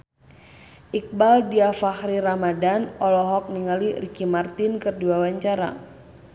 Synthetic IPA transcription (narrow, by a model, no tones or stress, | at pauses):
ʔik̚baldiafaxɾiɾamadanɔlɔɦɔk̚niŋalirikimart̪inkɨrduwawaɲt͡ʃaɾa̰